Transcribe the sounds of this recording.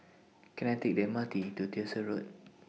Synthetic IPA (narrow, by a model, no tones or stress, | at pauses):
kənɛt̪ik̚dɛ̃mat̪itutisəɹot̚